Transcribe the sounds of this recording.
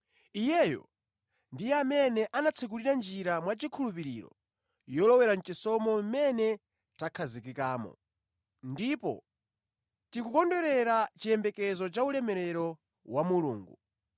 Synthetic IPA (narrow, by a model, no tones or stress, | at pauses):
ijɛjɔ̰ | ndijɛamɛnɛʔanat͡sʰɛk̬uɾiɾand͡ʒiɾamwat͡ʃikʰulupiɾḭɾɔ̰ | jɔlɔwɛɾan̩t͡ʃisɔmɔmɛnɛ | takʰazik̬ikaːmɔ̰ | ndipɔ̰ | tikukɔndɔɾɛɾat͡ʃiɛmbɛkɛzɔt͡ʃaulɛmɛɾɛɾɔ | wamulṵːŋɡu